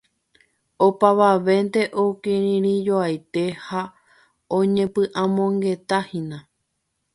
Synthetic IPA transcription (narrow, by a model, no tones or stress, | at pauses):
opaʋaʋe̞nt̪e̞ʔokẽɾĩɾ̃ĩd͡ʒoajt̪e̞ha | õɲẽ̞pɨ̃ʔãmõ̞ŋɡe̞t̪ahĩnã